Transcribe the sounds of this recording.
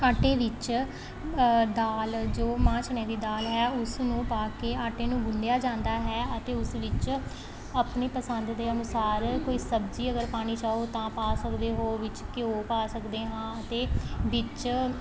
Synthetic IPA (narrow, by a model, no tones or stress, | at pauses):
aːʈeːʋɪt͡ʃ | d̪aːld͡ʒoːmãːt͡ʃʰɳɛ̃ːd̪iːd̪aːlɦɛːʊsnũːpaːkeːaːʈeːnũːɡʊnd̪ejaːd͡ʒãːnd̪aːɦɛːət̪eːʊsʋɪt͡ʃ | əpniːpəsənd̪d̪eːənʊsaːɾkoːiːsəbd͡ʒiːəɡəɾpaːñiːt͡ʃaːoːt̪ãːpaːsəkd̪eːɦoːʋɪt͡ʃkɪoːpaːsəkd̪eːɦãːət̪eːʋɪt͡ʃ